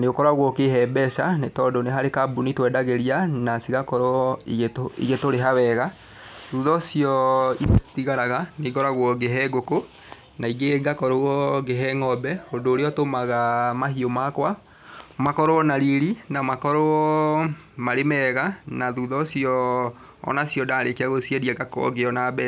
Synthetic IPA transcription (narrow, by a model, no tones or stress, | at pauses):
neokɔɾaɣwɔkeɦɛbɛsanetɔdoneɦaɾekabunitwɛdaɣeɾianasiɣakɔɾɔiɣetoḭɣetoɾeɦaβɛɣa | ðuðɔsiɔiptiɣaɾaɣaneɡɔɾaɣwɔɡeɦɛɡoko | naiɡeɡakɔɾɔɣɔɡeɦɛŋɔbɛhondoːɾeɔtomaɣamahiomakwa | makɔɾoɔnaɾiɾinamakɔɾo | maɾemɛɣanaðuðɔsiɔ̰ː | nasiɔdaːɾekeaɣosiɛɾiaɡakɔ̰ɡeɔnabɛ